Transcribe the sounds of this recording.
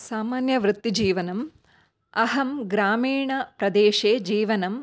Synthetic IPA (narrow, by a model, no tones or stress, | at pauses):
saːmaːnjɐʋɾut̪ːid͡ʒiːʋɐnɐm | ɐɦɐmɡɾaːmiːɳɐpɾɐd̪eːʃeːd͡ʒiːʋɐnɐm